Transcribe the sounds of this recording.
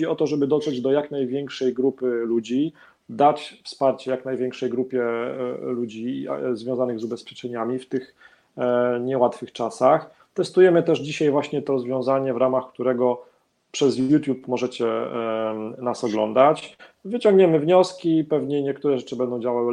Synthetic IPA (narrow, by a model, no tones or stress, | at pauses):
iɔt̪ɔʐɛbɘd̪ɔt̪ʂɛd͡ʑd̪ɔjaknajvʲjɛŋkʂɛjɡɾupɘlud͡ʑi | d̪at͡ɕfspaɾt͡ɕɛjaknajvʲɛŋkʂɛjɡɾupʲjɛlud͡ʑizvʲjɔ̃w̃zanɘɣzubɛspʲjɛt͡ʂɛɲamʲift̪ɘx | ɲɛwat̪fɘxt͡ʂasax | t̪ɛst̪ujɛmɘt̪ɛʐd͡ʑiɕajvwaɕɲɛt̪ɔɾɔzvʲjɔ̃w̃zaɲɛvɾamaxkt̪uɾɛɡɔ | pʂɛzjut̪ʲjupmɔʐɛt͡ɕɛ | nasɔɡlɔ̰nd̪at͡ɕ | vɘt͡ɕɔ̃ŋɡɲɛmɘvɲɔskʲipɛvɲɛɲɛk̚t̪uɾɛʐɛt͡ʂɘbɛnd̪ɔ̃w̃d͡ʑawawɘ